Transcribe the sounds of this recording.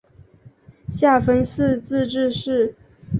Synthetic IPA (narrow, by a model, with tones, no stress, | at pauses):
ɕja˥˩fə˥nsɹ̩˥˧t͡sɹ̩˥˧ʈ͡ʂɻ̩˥˧ʂɻ̩˥˩